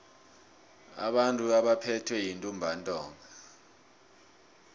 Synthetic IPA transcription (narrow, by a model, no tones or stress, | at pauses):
a̰ɓantʼuaɓapʰɛtʰwɛjintʼumbʱantʼɔːŋʱa